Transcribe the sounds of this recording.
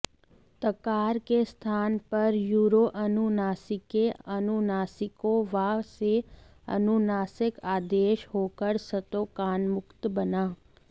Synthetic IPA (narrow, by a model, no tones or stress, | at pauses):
t̪əkaːɾkest̪ʰaːnpɐɾjuːɾoʔɐnunaːsɪkeənunaːsɪkoʋaːse | ə̰nunaːsɪkaːd̪eːʃɦoːkəɾsət̪oːkaːnmʊkt̪bənaː